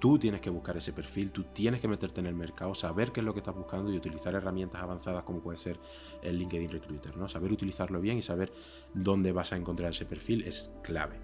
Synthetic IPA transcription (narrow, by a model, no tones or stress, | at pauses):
t̪ut̪je̞ne̞hke̞β̞uhkaɾe̞se̞pe̞ɾfilt̪ut̪je̞ne̞hke̞me̞t̪e̞ɾt̪ene̞lme̞ɾkaosaβe̞ɾke̞zlo̞ke̞st̪azβuhkand̪oiut̪iliθaɾe̞ramje̞nt̪asaβ̞an̟θað̞ahko̞mo̞pwe̞ðese̞ɾ | e̞lːiŋke̞ð̞inrekɾut̪e̞ɾno̞saβe̞ɾut̪iliθaɾlo̞β̞je̞ŋisaβe̞ɾ | d̪o̞nd̪e̞βasae̞ŋko̞nt̪ɾaɾe̞se̞pe̞ɾfile̞skla̰βe̞